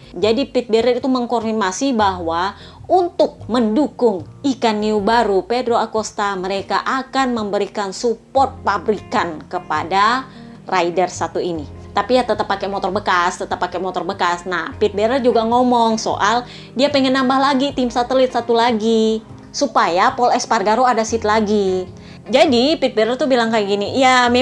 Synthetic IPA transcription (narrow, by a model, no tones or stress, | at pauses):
d͡ʒadipit̪̚bɛɾɛrit̪uməŋkɔrdinasibaɦwa | unt̪ʊk̚məndukʊŋikanːiubaɾupedɾoakost̪aməɾekaʔakanməmbəɾikansupɔrt̪̚pabɾikankəpada | rʔaidərsat̪uini | t̪apijat̪ət̪əpːakɛmot̪ɔrbəkast̪ət̪əpːakɛmot̪ɔrbəkasnahpit̪̚bɛɾərd͡ʒuɡaŋɔmɔŋso̰ʔal | diapəŋɛnːambahlaɡit̪ɪmsat̪əlit̪̚sat̪ulaɡi | supajapɔlɛsparɡaɾoadasit̪̚laɡi | d͡ʒadipit̪̚bɛɾərt̪ubilaŋkajaɡinijame